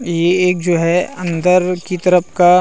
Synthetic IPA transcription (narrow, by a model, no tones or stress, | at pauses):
jeeːk̚d͡ʒoːɦɛɐ̃nd̪əɾkit̪əɾəpʰka